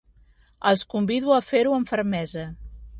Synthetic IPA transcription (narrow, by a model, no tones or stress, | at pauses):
əlˠskumbiðuəfeɾuəɱfəɾmɛzə